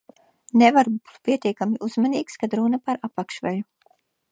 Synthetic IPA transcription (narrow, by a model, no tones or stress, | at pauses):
nevaɾbuu̥t̪̚pʲiɛt̪ʲiɛkamʲiʔuz̥maniːkskad̪ɾunapaɾapakʃvɛlʲu